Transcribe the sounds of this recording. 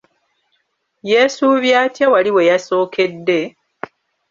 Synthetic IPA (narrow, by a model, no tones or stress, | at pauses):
jeːsuβjaːtjawaliwe̞jaso̞ːkʰe̞dːe̞